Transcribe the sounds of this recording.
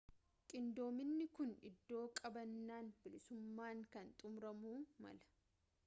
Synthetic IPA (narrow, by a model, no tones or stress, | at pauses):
kʼɪnd̪o̞ːmɪnːɪkʊnɪ̰d̪ːo̞ːkʼɐbɐnːaːnbɪlɪsʊmːaːŋkɐnt̪ʼʊmɾɐmuːmɐ̰lɐ̥